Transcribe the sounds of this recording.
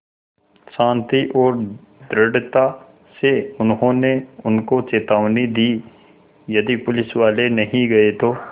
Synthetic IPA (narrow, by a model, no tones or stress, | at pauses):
ʃãːnt̪iʔɔːɾ | d̪ɾɐɖt̪a | seʊnɦõneʊnkot͡ʃeːt̪aːʋnid̪iː | jɐd̪ipʊlɪsʋaːlenɐɦĩɡɐet̪oː